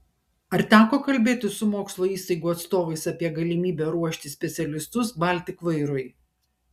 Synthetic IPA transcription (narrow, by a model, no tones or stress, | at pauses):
ɐɾt̪ʲæːkoːkɐlʲbʲeːt̪ʲɪsʊmoːkslˠoːiːst̪ɐɪɡuːɐt̪st̪oːʋɐɪsɐpʲiɛɡɐlʲɪmʲiːbʲɛɾuɔʃʲt̪ʲɪsʲpʲɛt̪sʲɛlʲɪst̪ʊsbɐˑlʲt̪ʲɪkʋɐɪɾʊɪ